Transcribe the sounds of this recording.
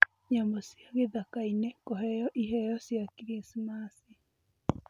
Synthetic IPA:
ɲambɔsjaɣeðakainekoɦɛjɔʔiɦɛjɔsjakiɾismasi

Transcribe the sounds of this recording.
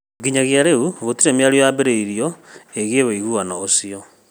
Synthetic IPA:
ɡiɲaɣjaɾeuβotiɾemjaɾjojabeɾeiɾijɔeɣeβeiɣuanaosiɔ

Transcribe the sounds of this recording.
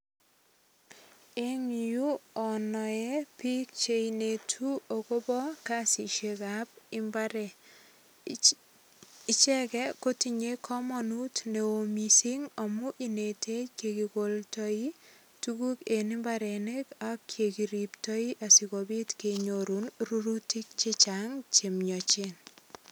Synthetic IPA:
eŋjuɔnɔjɛpik̚t͡ʃeinetʰuokobɔkasiʃekap̚ɪmbaɾɛ | it͡ʃɛkɛkotiɲekʰɔmɔnutneomisiŋamuʔinetʰekekikoltɔi | tukukenɪmbaɾenekakʰːjekiɾiptɔiʔasikobitkeɲoɾunruɾutik̚t͡ʃit͡ʃaŋt͡ʃemɲɔt͡ʃin

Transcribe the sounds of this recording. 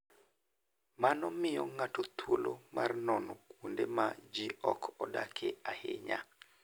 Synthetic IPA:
manɔmɪjɔŋatot̪ʰwolomʔarnɔnɔkwondemad͡ʒiɔkʰɔdakʰeahḛɲa̰

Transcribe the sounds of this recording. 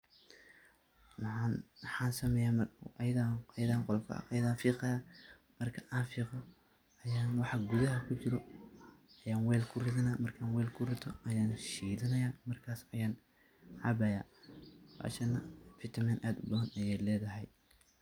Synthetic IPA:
mɑʕɑnħɑːnsɐmɛːjaːmɐjɐðajɐðaːŋqɔlkʰɐ̰jɐðaːnfiːqɐjaː | mɐrkʰɐʔaːnfiːqɔ | ɐjaːnwɑħɑɡuðɐɦɐkʰʊt͡ʃɪɾɔ | ɐjaːnwɛːlkʰʊrɪðɐnamɐrkʰaːnwɛːlkʰʊrɪt̪ʰɔʔɐjaːnʃiːðɐnɐjaːmɐrkʰaːsɐjaːn | ħɑbɐja̰ːbɑ̰ːʃɐnːɐfɪt̪ʰɐmɐnʔaːd̪ʊbɐhɐnɐjɛjlɛːðɐɦɛj

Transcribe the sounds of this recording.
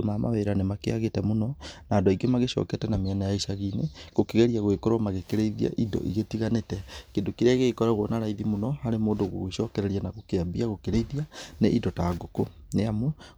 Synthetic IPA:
omama̰βeɾanemakeaɣetɛmonɔnaːndaiɡemaɣeʃɔ̰ːkɛtɛnameanajaiʃaɣineɣokeɣɛɾiaɣwekoɾwamaɣekeɾeiðia̰ʔidɔ̰ʔḭɣetiɣanetɛkendokiɾaɣekɔɾaɣwɔnaɾaiðimonɔhaɾemoːndoɣo̰ɣeʃɔkɛɾɛɾianaɣokeabiaɣokeɾeiðianeʔidɔtaɡokoneamo

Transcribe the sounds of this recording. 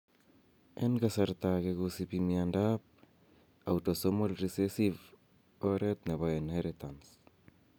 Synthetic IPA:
enɡasaɾtaɡeɡusipimiandap̚ | awtosomolɾisesiv | oɾet̪̚neβaenheɾetans

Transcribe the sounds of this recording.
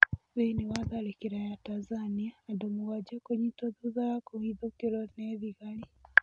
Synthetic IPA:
βeinewaðalekiɾajatanzaniaːdomuɣad͡ʒekoɲitoðuðakoiðokeɾoneðiɣali

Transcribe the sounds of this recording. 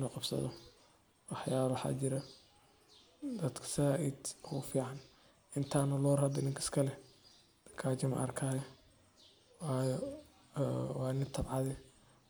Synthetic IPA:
nɔqɑbsɐ̰ðɔ | wɑħjaːβwħɑ̰t͡ʃɪɾɐ | d̪ɐd̪kʰɐ̥saʔid̪ɔʊfiːʕɑn | ʔɪnt̪ʰaːnɐlɔːɾhɐd̪ɪnɪŋkʰɐskʰɐlɛ | d̪̥ɐ̥kʰaːt͡ʃɐmɐ̰ʔɐ̰rkʰaːjɐ | wɑːjɔ | wɑːnɪt̪ʰɐbʕɑðɛ

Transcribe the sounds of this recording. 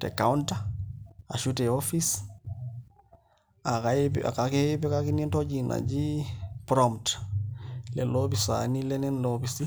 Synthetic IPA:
tḛkaunta | a̰ʃuteofis | akapa̰kakepɛkakinintod͡ʒina̰d͡ʒipɾomt | lɛ̰lobisa̰nilɛnɛnlobisi

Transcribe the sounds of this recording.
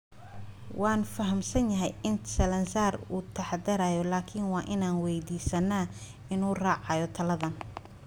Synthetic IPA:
wɑːnfɐɦɐmsɐnjɐɦɛjʔɪnsɐlɐnsaːruːt̪ʰɐħɑd̪ɐɾaːjɔlaːkʰɪnwɑːʔɪnaːnwɛjd̪iːsɐnːaː | ɪnuːrɑːʕɑjɔt̪ʰɐlɐðɐn

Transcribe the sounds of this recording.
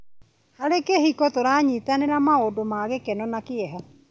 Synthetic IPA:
haɾekehikɔtoɾaːɲiːtaneɾamaodomaɣekɛnɔnakeɛɦa

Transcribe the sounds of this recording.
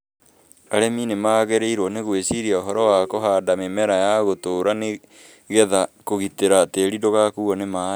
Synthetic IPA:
aɾeminemaːɣeɾeiɾwɔneɣwesiɾiaoɦɔɾɔwakoɦaːdamemɛɾajaɣotoːɾane | ɣɛðakoɣiteɾateɾidoɣakuɔnema

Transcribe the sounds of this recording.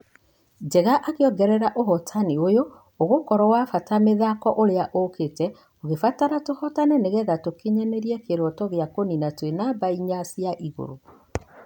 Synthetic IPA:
d͡ʒɛɣaʔakeɔɡɛɾɛɾaʔoɦɔtʰaniojoː | ɣokɔɾɔwafatameðakɔʔoɾeaʔoketɛ | oɣefataɾatohɔtanɛneɣɛɣatokeɲɛnɛɾiɛkeɾɔtɔɣeakoninatwenabaiɲasjaʔiɣo̰ɾo

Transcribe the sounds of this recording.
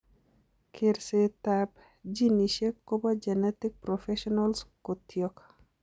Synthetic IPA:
kʰɪɾset̪ap | d͡ʒiniʃekːobad͡ʒɛnɛtɪk̚pɾɔfɛʃɔnalskot̪ʰjɔk

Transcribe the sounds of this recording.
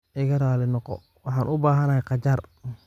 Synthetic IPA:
ʔɪɣɐɾaːlɪnɔqɔ̰ | wɑħɑːnʔʊbaːɦɐnɐhɛjqɑt͡ʃɐr

